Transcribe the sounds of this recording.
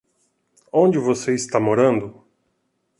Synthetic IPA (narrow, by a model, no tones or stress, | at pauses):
õnd͡ʒɪvoseɪst̪amoɾɐ̃nd̪ʊ